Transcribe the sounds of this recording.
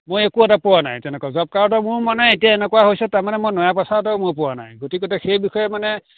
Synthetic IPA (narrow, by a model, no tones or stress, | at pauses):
mojekuɛtapɔwana̰jtɛnɛkazɔb̚kaɹɔtɔmʊɹmanɛetijaɛnɛkɔwaɦojsɛtaɹmanɛmojnɔjapasatɔʊmʊɹpɔwana̰jɡotikɔtaxejbixɔjɛmanɛ